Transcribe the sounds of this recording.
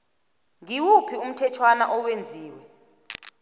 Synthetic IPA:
ŋiwupʰium̩tʰɛt͡ʃʰwanaʔɔwend͡zʱiːwɛ

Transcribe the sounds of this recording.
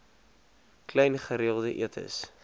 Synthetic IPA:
klɛjnχəɾiəlˠdəʔiətʰə̰s

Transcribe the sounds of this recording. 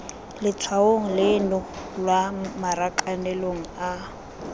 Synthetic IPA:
lɪt͡sʰaoŋ̩lɪnʊlwamaɾakʼanɛloŋ̩a

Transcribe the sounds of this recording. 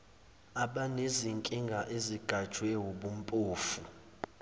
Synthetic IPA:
aɓaneziŋkʼiŋɡʱaʔeziɡ̥ʱad̥ʒ̥ʱwɛwoɓum̩pʼuːfu

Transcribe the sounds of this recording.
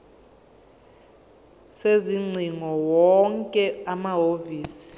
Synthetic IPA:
seziŋ͡ǀʱiŋɔwɔŋkʼɛamaɦoviːsi̥

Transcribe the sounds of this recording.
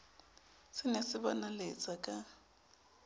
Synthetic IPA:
sɪnesɪβa̰nalḛt͡sʼakʼa

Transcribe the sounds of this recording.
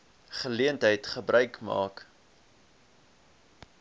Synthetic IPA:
χəliəntɦəjtχəbrʔœɥkmɑ̰ːk

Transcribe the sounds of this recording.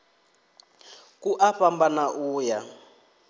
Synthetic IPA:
kuʔaɸambanaʔuːja

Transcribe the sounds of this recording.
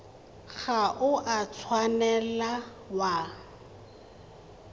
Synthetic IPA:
ɣaʔʊʔat͡sʰwanɛla | wa

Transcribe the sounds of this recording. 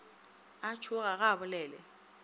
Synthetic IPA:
at͡ʃʰʊk̬ak̬aɓʊlɛːlɛ̰

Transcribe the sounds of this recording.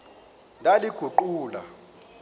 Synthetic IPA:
ndʱaliɡ̥ʱuǃuːla̰

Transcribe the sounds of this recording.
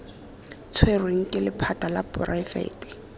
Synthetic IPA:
t͡sʰwerweŋ̩kʼɪlɪpʰatʼalapʊrʔaɪfḛːtɪ̥

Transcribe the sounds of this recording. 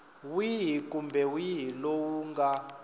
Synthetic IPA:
wiɦikʼumbʱɛwiɦilowuŋɡa

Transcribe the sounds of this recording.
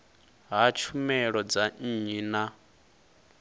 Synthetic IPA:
ɦat͡ʃʰumɛɺɔd͡zan̩ɲina

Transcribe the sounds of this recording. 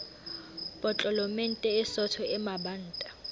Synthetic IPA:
pʼɔt͡ɬʼɔlɔmen̩tʼɛɪsɔtʰɔɛmaban̩ːtʼa

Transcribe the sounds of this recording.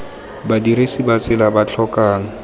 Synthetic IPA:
badiɾesibat͡sɪlabat͡ɬʰɔkaːŋ̩

